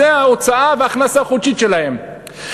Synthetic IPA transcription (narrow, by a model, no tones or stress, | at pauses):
eaot͡saaveaχnasaχut͡ʃit̪ʃelahem